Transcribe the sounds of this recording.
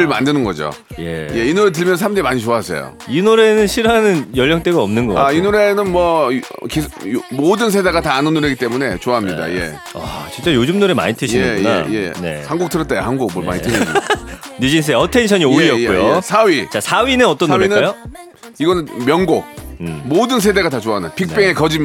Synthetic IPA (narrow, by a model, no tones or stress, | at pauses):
ɯɭmandɯnɯnɡʌd͡ʑo̰ | je̞̰je̞inoɾet̬ɯɭmjʌnnsʰamd͡ʑemaɲit͡ɕoaɦsʰḛjo̰ | inoɾe̞nɯnɕʰiɾanɯnjʌʎːʌŋt͈eɡaʌmnɯnɡʌainoɾe̞nɯnmwʌkimodɯnsʰedaɡataːnɯnːoɾeɡit͈emune̞t͡ɕoaɦamɲida̰je̞̰ | a̰t͡ɕint͡ɕ͈ajod͡ʑumnoɾema̰ɲitʰɯɕʰinɯoneajḛne̞̰sʰaŋɡok̚tʰɯɾʌt͈̚ajhaŋɡok̚mwoɭma̰ɲitʰɯɕinnud͡ʑins̬ʰɯeʌtʰenɕʰʌɲioiʌkujosʰawit͡ɕasʰawinɯnʌt͈ʌnːoɾenɯajo | iɡʌnɯnmjʌnɡok̚modɯnsʰe̞de̞ɡatat͡ɕoaɦanɯnpʰik̚p͈eŋekʌd͡ʑi